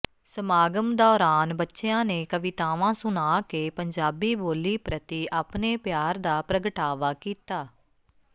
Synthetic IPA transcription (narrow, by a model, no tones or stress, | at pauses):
səmaːɡəmd̪ɔːɾaːnbətːʃeãːneːkəʋɪt̪aːʋãːsʊnaːkeːpəɲd͡ʒaːbiːboːliːpɾət̪iːʔaːpneːpjaːɾd̪aːpɾəɡəʈaːʋaːkiːt̪aː